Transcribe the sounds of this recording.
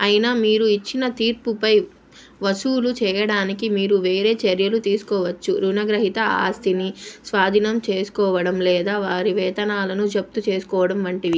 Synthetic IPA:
ɐjinamiːɾuit͡ʃːinɐt̪iːɾpupɐj | ʋɐsuːlut͡ʃɛːjɐɽaːnikimiːɾuʋe̞ːɾe̞ːt͡ʃɐɾjɐlut̪iːsu̥kɔːʋɐt͡ʃːuɾunɐɡɾɐɦit̪ɐa̰ːst̪ʰinisʋaːd̪ʱinɐmt͡ʃeːsu̥kɔːʋɐɽɐmlɛːd̪aːʋaːɾiʋɛːt̪ɐnaːlɐnud͡ʒɐp̚t̪ut͡ʃe̞ːsu̥kɔːʋɐɽɐmʋɐɳʈiʋi

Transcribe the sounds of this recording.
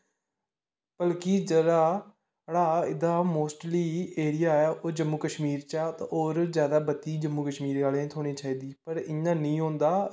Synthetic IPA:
b̥əlkɪːd͡ʒədaː | ɽaːɪd̪aːmoːsʈliːeːɾɪjaːɛːoːd͡ʒəmːuːkəʃmiːɾt͡ʃaːt̪ːoːɾzjaːd̪aːbət̪iːd͡ʒəmːuːkəʃmiːɾaːlẽːt̪ʰoːɽ̃eːt͡ʃaːiːd̪iːpəɾɪɲãːnĩːɦõːnd̪aː

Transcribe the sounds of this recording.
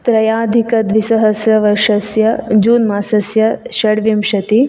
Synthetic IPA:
t̪ɾɐjaːd̪ʱikɐd̪ʋisɐɦɐsjɐʋɐɾʂɐsjɐd͡ʒuːnmaːsɐsjɐʃɐɽʋimʃɐt̪i

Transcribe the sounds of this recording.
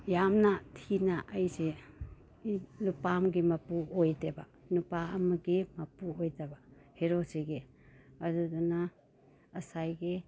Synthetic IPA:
jamnatʰinaʔajse | lupamɡimɐpuojdeba | nupaɐmaɡimɐpuojdabaheɾosiɡe | ɐdudunaː | sajɡe

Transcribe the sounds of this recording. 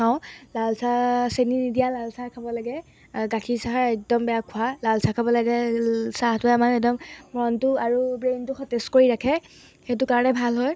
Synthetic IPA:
aʊ̃lalsaseninidijalalsakʰabɔlaɡɛ | ɡatʰisaɦaɹɛk̚dɔmbɛjakʰʊalalsakʰabɔlaɡɛsaɦatʊamanɛk̚dɔmːɔntʊaɹubɹentʊxɔtɛskoɹiɹakʰɛ | xet̬ʊkaɹɔnɛbʱalɦɔj

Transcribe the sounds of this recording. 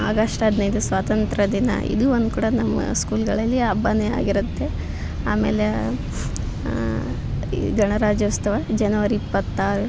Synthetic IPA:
a̰ːɡɐʂʈɐɐd̪nɐjid̪usʋaːt̪ɐnt̪ɾɐd̪inɐ̰ḭd̪uond̪kuːɽɐnɐmːɐ̰skuːlɡɐɭɐlːiɐbɐnea̰ːɡiɾɐt̪ːe̞ | a̰ːmeːle | ɡɐɳɐɾaːd͡ʒɐʋɐst̪ɐʋɐd͡ʒɐnɐʋɐɾiːpːɐt̪ːaːɾu

